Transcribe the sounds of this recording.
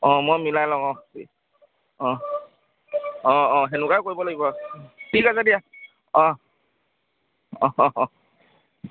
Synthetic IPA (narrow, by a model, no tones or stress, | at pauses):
ɔ̃mojmilajlɔŋɔxsḭ | ɔ̃ | ɔ̃ɔ̃ɦenukajkoɹibɔlaɡibɔtʰikazedija | ɔ̃ | ɔ